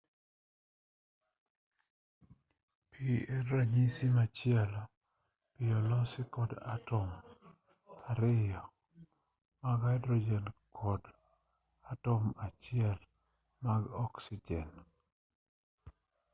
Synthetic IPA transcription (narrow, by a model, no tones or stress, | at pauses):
pʰiɛːaɲisimat͡ʃjɛl | pɪɔlɔsɪkɔda̰tɔm | aɾɪjɔ | maɡajdɾɔd͡ʒɛnkʰɔd | atɔmat͡ʃɪɛl | maɡɔksɪd͡ʒɛn